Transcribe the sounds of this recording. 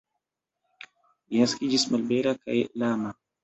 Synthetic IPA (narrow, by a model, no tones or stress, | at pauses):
jaskid͡ʒismɐlbeɾaka̰jeʔlaːma